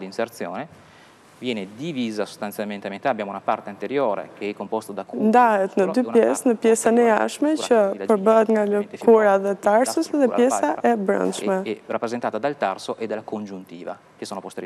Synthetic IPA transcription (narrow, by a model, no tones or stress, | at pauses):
d̪insert̪sjo̰ːne | vjɛːned̪iviːzaso̥st̪anjalment̪eament̪abːjaːmounapa̰rt̪eant̪eɾjoːɾḛkʰeɛkːompost̪od̪aknd̪aɛt̪nəd̪ujɛ̰snəpjɛsanɛa̰ʃmet͡ʃɛpəbəd̪ŋaləkʰuɾaðət̪aɾsusəd̪əpjɛsaʔɛbɾa̰nt͡ʃmarapːɾezent̪aːt̪ad̪alt̪a̰rsoʔed̪ːelːakond͡ʒunt̪iːva̰ | kesoːnopost̪ḛɾj